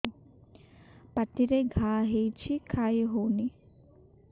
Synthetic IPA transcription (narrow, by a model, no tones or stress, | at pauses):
paʈ̪iɾeɡʱaːɦejt͡ʃʰikʰajɦowni